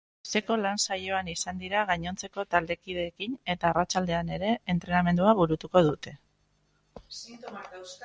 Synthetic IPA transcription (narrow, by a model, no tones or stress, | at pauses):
se̞ko̞lansaʎo̞anisand̪iɾaɣaɲo̞nt͡se̞ko̞t̪ald̪e̞kið̞e̞ːkine̞t̪aːrat͡ʃald̪e̞ane̞ɾe̞ːnt̪ɾe̞name̞nd̪uaβuɾut̪uko̞ð̞ut̪e̞